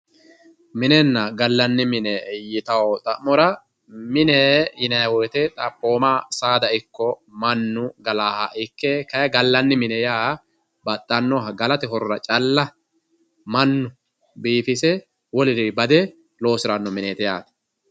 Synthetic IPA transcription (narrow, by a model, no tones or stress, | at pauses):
mɪnɛnːɐɡɐlːɐnːɪmɪnɛjɪt̪ɐwɔt̪ʼɐʔmɔɾɐ | mɪnɛjɪnɐwɔːt̪ɛt̪ʼɐpːo̞ːmasaːd̪ɐɪkːɔmɐnːʊɡɐlaːhɐʔɪkːeːkɐjɐɡɐlːɐnːɪmɪnɛjaː | bɐt̪ʼːɐnːɔɦɐɡɐlɐt̪ɛɦɔɾʊɾɐt͡ʃʼɐlːɐ | mɐnːʊ | biːfɪsɛ | wɔlɪɾɪbɐd̪ɛ | lo̞ːsɪɾɐnːɔmɪneːt̪ɛja̰ːt̪ɐ̥